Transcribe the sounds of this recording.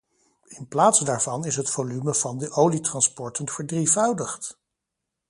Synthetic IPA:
ɪnplaːtsdaːɹv̥ɑnɪsɦətfolyməvɑndəʔowlitrɑnspɔɹtənv̥əɹdrivœwdəχt

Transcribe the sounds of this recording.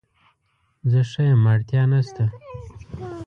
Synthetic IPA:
zəʂajamaɽt̪jɑnast̪a

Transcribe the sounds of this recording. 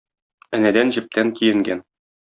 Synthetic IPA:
ænæd̪ænʑɘ̆p̚t̪ʰæŋkijɘ̆ŋɡæn

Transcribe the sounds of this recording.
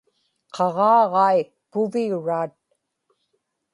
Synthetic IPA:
qʰɑʁɑːʁɑj | pʊviuɻaːt̪̚

